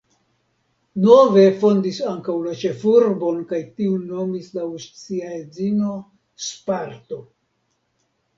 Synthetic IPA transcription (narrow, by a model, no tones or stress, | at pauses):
no̞ve̞fo̞ndisaŋkawlat͡ʃe̞fuɾbo̞nkajtiunːo̞mislaust͡siaed͡zino̞ | spaɾto